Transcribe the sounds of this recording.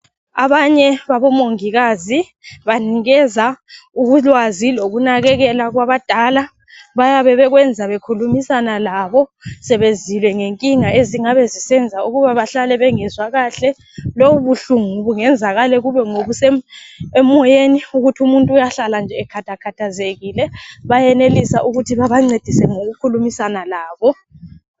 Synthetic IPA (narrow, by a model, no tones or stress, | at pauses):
a̰βaɲɛβaβɔmoŋiɣazi | βaniɣɛzauɣulwaziloɣunaɣɛɣɛlaɣwaβad̥ʱala | βajaβɛβɛɣwɛnd͡zʱaβekʰulumisanalaβɔsɛβezilwɛŋeŋkʼiŋaʔeziŋaβɛzisɛnd͡zʱauɣuβaβaɬalɛβɛŋɛzwaɣaːɬɛ | louβuɬuŋuβuŋɛnd͡zʱaɣalɛɣuβɛŋoβuseemːɔjeniuɣutʰiumuntʼuujaɬaland͡ʒʱɛːkʰatʰakʰatʰazeɣilɛβajɛnelisaʔuɣutʰiβaβaŋ͡ǀed̥ʱisɛŋoɣukʰulumisanalaːβɔ